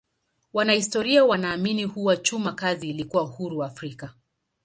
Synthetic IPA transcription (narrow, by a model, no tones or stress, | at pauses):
wanahistɔɾiawanaːminihuwat͡ʃumakaziːlikuwauhuɾuwaːfɾika